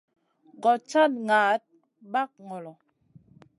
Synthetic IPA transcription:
ɡɔ˨t͡ʃa˦tŋa˨˦t̚ | ba˦k̚ŋɔ˨lɔ˨

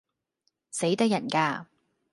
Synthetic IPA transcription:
se˨˥jt̪ɐ˥kjɐ˨˩nkaː˧

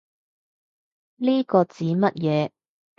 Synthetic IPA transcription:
liː˥kɔː˧t͡siː˨˥mɐ˥t̚jɛː˨˦

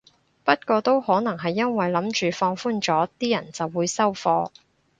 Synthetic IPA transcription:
pɐ˥t̚kɔː˧t̪o˥whɔː˨˥nɐ˨˩ŋɦɐ˨jːɐ˥nwɐ˨jlɐ˨˥mt͡ʃyː˨fɔː˧ŋfuː˥nt͡sɔː˨˥t̪iː˥jɐ̰˨˩nt͡sɐ˨wːuː˨˧jsɐ˥wfɔː˧

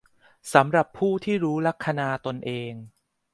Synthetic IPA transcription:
sa˩˦mɾa˨˩pʰːuː˥˩t̪ʰiː˥˩ɾuː˦˥la˦˥kʰːa˧naː˧t̪o˧nʔeː˧ŋ

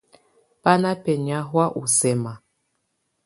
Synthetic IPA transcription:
pa˦na˦pɛ˨ɲ˨a˦ɦwa˦ʔu˨sɛ˨ma˨

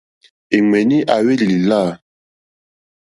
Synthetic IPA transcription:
e˨ŋɛ˨ni˦ʔa˨we˦li˨li˨la˦˨

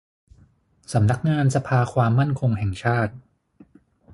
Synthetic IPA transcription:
sa˩˦mna˦˥k̚ŋaː˧nsa˧pʰaː˧kʰwaː˧mːa˥˩nkʰo˧ŋɦɛ˨˩ŋt͡ɕʰaː˥˩t̪̚

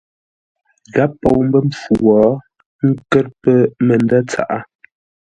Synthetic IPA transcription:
ɣa˨˦pːo˨wm˦bə˦m̩˨p͡fu˨wɔː˨˦ | ŋ̩˦kə˦ɾ̚pə˦mə˨ndə˦t͡sa̰˨ʔa˦

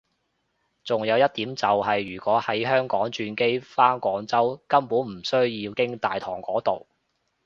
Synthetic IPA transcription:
t͡sʊ˨ŋjɐ˨˧wjɐ˥t̚t̪iː˨˥mt͡sɐ˨wɦɐ˨jːyː˨˩kʷɔː˨˥hɐ˨˥jɦœː˥ŋkɔː˨˥ŋt͡ʃyː˧nke˥jfaː˥nkɔː˨˥ŋt͡sɐ˥wkɐ˥mpuː˨˥nm̩˨˩sɵ˥ɥjiː˧wkɪ˥ŋt̪aː˨jt̪ʰɔː˨˩ŋkɔː˨˥t̪o˨w

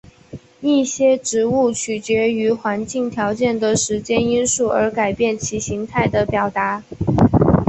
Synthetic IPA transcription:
i˥˩ɕjɛ˥ʈ͡ʂɻ̩˧˥u˥˩t͡ɕʰy˨˩t͡ɕɥɛ˧˥y˧˥xwa˧˥nt͡ɕi˥˩ŋt̪ʰjɑ˧˥ʊt͡ɕjɛ˥˩nd̪ə˩ʂɻ̩˧˥t͡ɕjɛ˥ni˥nsu˥˩ə˞˧˥ka˨˩ɪpjɛ˥˩nt͡ɕʰi˧˥ɕi˧˥ŋt̪ʰa˥˩ɪd̪ə˩pjɑ˨˩ʊt̪a˧˥

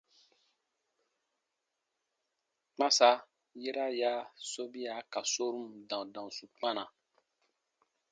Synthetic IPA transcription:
k͡pã˦sa˦ | je˦ɾa˦ja˦so˦bi˦a˨ka˨so˦ɾũ˦m˨dã˨dã˨ũ˨su˨k͡pã˦nã˨

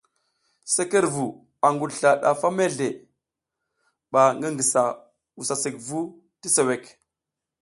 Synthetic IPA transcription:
se˦ke˦ɾvu˨ | a˨ŋɡu˨dɬa˨ɗa̰˨fa˦me˦ɮe˨ | ɓa˨ŋɡə˦ŋɡi˨sa˨ | wu˨sa˨si˨kvu˦ | ti˦se˨we˨k

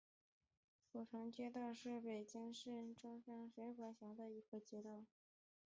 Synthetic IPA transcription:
ko˨˩ʈ͡ʂʰɑ˧˥ŋt͡ɕjɛ˥t̪ɑ˥˧ʊʂɻ̩˥˩pe˨˩ɪt͡ɕi˥ŋʂɻ̩˥˩ʈ͡ʂɑ˥ŋfjɑ˥ŋʂwe˧˥ɪxɑ˧˥ɕjɑ˧˥d̪ə˧i˧˥ɡə˧t͡ɕjɛ˥t̪ɑ˥˩ʊ

